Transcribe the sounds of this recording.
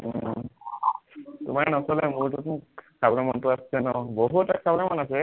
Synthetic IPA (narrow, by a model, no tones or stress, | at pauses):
tṵmaɹnɔsɔlɛmuɹtutsʰabɔnamɔntʊasɛnɔboɦutakʰabɔnamɔnasɛ